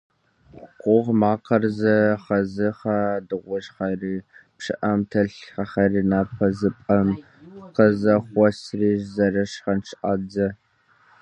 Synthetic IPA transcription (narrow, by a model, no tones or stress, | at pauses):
qʷʼʊʁmaːqɐrzɐχɐzɨχɐdɨʁʷʊʒχɐriːpʂɨʔɐmtʰɐɬχɐχɐriːnaːpʰɐzɨpʼɐm | qɐzɐχʷɔsriːʒzɐrɐʂχɐnʃʔad͡zɐ